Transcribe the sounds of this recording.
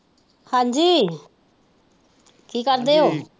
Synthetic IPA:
hãːɲd͡ʒiː | kiːkəɾd̪eːɦoː

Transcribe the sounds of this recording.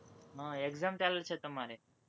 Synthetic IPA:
ɦə̃eɡzamt̪aləlt͡ɕʰet̪əmaɾe

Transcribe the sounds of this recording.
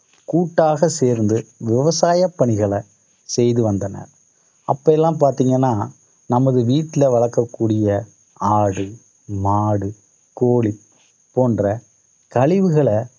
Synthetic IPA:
kuːʈːaːɣɐseːɾnd̪ɯʋɪʋɐsaːjɐpːɐɳɪɣɐɭɐ | sɛjðɯʋɐnd̪ɐnɐ̰ | ʔɐpːɐɛlːãːpaːɾt̪iːŋɡɐnːaː | nɐmɐðɯʋiːʈːɪlɐʋɐɭɐɾkːɐkːuːɽɪjɐ | aːɽɯ | maːɽɯ | koːɭi | poːndrɐ | kɐɭɪʋɯɣɐɭɐ

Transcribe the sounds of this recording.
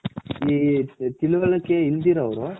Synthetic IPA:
iːt̪ilɯʋɐlɐkːeːɪld̪iːɾɐʋɐɾo

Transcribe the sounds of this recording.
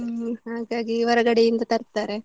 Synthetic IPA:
haːɡaːɡiʋɐɾɐɡɐɽejind̪ɐt̪ɐɾt̪aːɾe̞

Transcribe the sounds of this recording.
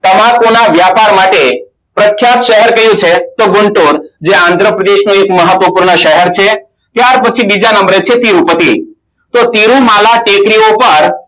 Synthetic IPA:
t̪əmakonaʋjapaɾmaʈe | pɾəkʰːjat̪ʃəɦɛɾkəjũt͡ʃʰet̪oɡʊɳʈoɾd͡ʒeãnd̪ʱɾəpɾəd̪eʃnũekməɦət̪ʋəpuɾɳəʃəɦɛɾt͡ʃʰe | t̪jaɾpət͡ʃʰibid͡ʒanəmbɾet͡ʃʰet̪iɾũpət̪i | t̪ot̪iɾũmalaʈekɾiopəɾ

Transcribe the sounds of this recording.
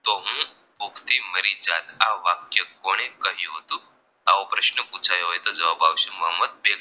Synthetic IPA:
t̪oɦũ | pukʰt̪iməɾid͡zat̪aʋakjəkoɽ̃ẽkəɦiɦot̪o | a̰ʋopɾəɕnəput͡sʰajɦojt̪od͡zəʋabaʋɕuməɦəməd̪̚beɡ

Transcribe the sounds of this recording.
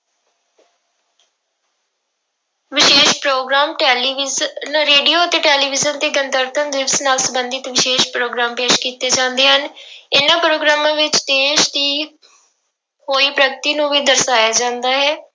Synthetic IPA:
ʋɪʃeːʃpɾoːɡɾaːmʈɛːlʋnɾeːɖioːət̪eːʈɛːliːʋɪzənt̪eːɡənt̪əɾt̪ʰənd̪ɪʋsnaːlsəbənd̪ɪt̪ʋɪʃeːʃpɾoːɡɾaːmpeːʃkiːt̪eːd͡ʒãːnd̪eːɦənɪnãːpɾoːɡɾaːmãːʋɪt͡ʃd̪eːʃd̪iː | ɦoːiːpɾəɡt̪iːnũːʋiːd̪əɾsaːjaːd͡ʒãːnd̪aːɦɛː

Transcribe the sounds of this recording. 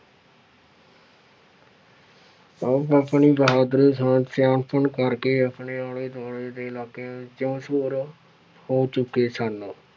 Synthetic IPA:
əbəpɳiːbəɦaːd̪əɾiːsãːsjaːnpʰəɳkəɾkeːəpɳeːaːeːd̪aːɭeːd̪eːɪlaːkeːãːt͡ʃəmsoːɾ | hoːt͡ʃʊkːeːsaːnõː

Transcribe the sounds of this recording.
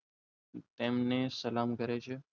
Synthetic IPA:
t̪eːmnẽːsəlaːmkəɾeːt͡ʃʰeː

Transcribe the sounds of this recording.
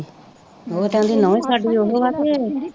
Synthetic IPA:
ɦoːt̪ɛ̃d̪iːnɔ̃ːẽːsaːɖiːoɦoːʋaːt̪eːee

